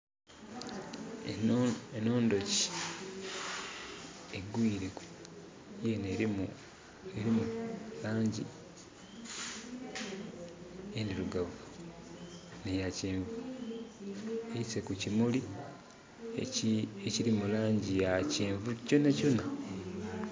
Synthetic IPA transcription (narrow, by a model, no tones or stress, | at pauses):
eno̞ːndo̞ci̥ | eɡwiːɾeku | jene | eɾimulaːɲɟḭ | eniɾuɡavu | nejaceːɱvu | ejise̞kucimuli | eeciɾimulaːɲɟijaceːɱvuco̞naco̞na